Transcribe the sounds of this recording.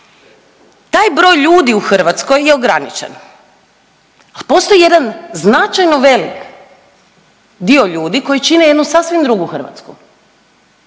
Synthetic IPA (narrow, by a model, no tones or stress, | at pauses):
t̪aːjbɾo̞ːjʎuːd̪iuxr̩ʋat̪sko̞jːeo̞ɡɾanḭt͡ʃḛn | alipo̞st̪o̞jije̞d̪anznat͡ʃajnoʋe̞lik | d̪ioʎuːd̪iko̞jit͡ʃineje̞d̪nusasʋimd̪ɾuɡuxr̩ʋa̰t̪skṵ